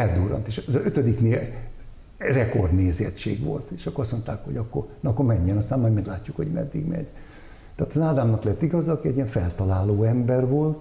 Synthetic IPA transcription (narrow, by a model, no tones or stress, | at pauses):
ɛld̪uːɾɒ̰nt̪eːʃzøt̪ød̪ikneːl | rɛko̞rd̪neːzɛ̰tt͡ʃḛːɡʋo̰lt̪eːʃɒkːoːsmont̪aːkho̞̰ɒkːo̰rnːkːormɛɲːɛnɒst̪aːmmɒjd̪mɛɡlaːcːukhoɟmɛ̰d̪ːḭɡmɛ̰ɟ̥ | t̪ɛaːt̪ɒzaːd̪aːmnɒklɛt̪ːiɡɒzɒːkiɛɟːiɛɱfɛlt̪ɒlaːloːɛmbɛrʋo̞lt̪